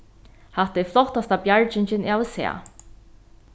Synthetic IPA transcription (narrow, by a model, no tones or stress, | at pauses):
haht̪ɛflɔht̪ast̪abjaɹt͡ʃɪɲt͡ʃɪnawsɛ̰a̰